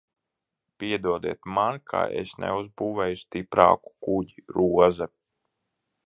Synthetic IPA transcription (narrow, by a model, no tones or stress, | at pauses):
piɛd̪uɔd̪iɛt̪mankʰa̰ːḛsnɛ̰uzbuːvɛjust̪ipɾa̰ːku̥kuɟiɾuɔza